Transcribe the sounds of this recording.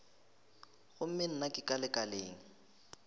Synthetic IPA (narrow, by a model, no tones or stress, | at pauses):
ɣʊm̩mɪn̩nakʼɪkʼalɪkʼaleːŋ̩